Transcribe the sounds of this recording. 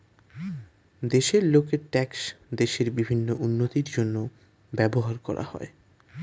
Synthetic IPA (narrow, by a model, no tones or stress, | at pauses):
d̪eʃeɾlokeɾʈɛksd̪eʃeɾbibʱinːoʔunːot̪iɾd͡ʑonːo | bɛboɦaɾkɔɾʔa̰hɔ̰e